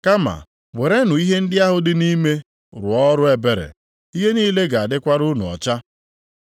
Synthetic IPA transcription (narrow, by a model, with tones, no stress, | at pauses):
ka˦ma̰˨ | we˨ɾe˦nʊ˨i˦ɦe˦n̩˦dɪ˦a˦ɦʊ˦dɪ˦ni˦me˦ | ɾʊ̰˨ɔ˦ɾʊ˦e˨be˨ɾḛ˨ | i˦ɦe˦niː˦le˦ɡa˨a˨dɪ˦kʷa˦ɾʊ˦nʊ˨ɔ̰˨t͡ʃa˦